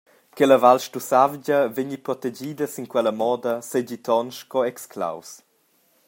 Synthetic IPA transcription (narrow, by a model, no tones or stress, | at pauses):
kɛləvalʃtusavɟɐveɲipɾɔt̪ed͡ʒiːd̪əsiŋkwɛləmɔːd̪əsed͡ʑit̪ɔnʃkɔɛkskla̰ws